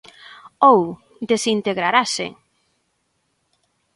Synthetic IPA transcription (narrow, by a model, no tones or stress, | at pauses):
ow | d̪esint̪eɣɾaɾasḛŋ